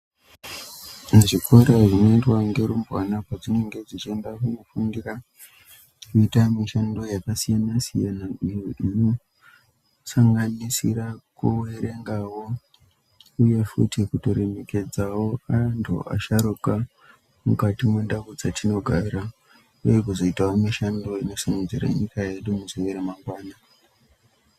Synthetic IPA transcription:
aʐikʰoɾaʐino̞itwaŋɡe̞ɾumbwa̰napwad͡zine̞ŋɡe̞d͡zit͡ʃiendakunofundira | kuitamiʃando̞jakasijanasijanaiino | saŋɡanisḭɾakuwe̞ɾe̞ŋɡawo̞ | uje̞fṵtikuto̞ɾe̞me̞ke̞d͡zawoantʰṵʔa̰ʃaɾuka | mukatimwe̞ndaβud͡zatʰino̞ɡʱaɾa | ujek̬uzo̞itawomiʃando̞ino̞sanund͡ziɾa̰ɲikaje̞ɗumuziʋeɾemaŋɡwaːna

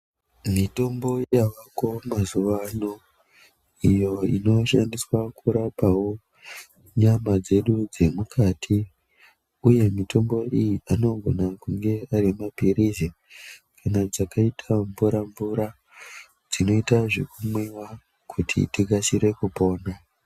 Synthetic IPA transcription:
mito̞mbo̞jaʋako̞mazuʋano | ijo̞ḭno̞ʃandiswakuɾapawo̞ | ɲamad͡ze̞ɗud͡ze̞mukʰatʰi | uje̞mito̞mbo̞ijiano̞ɡʱo̞nakuŋɡe̞arimapiɾize | kʰanad͡zakaitʰaɱvuɾaɱvuɾa | d͡zino̞itaʐekumwiwa | kʰutʰḭtikasiɾe̞kupo̞ːna

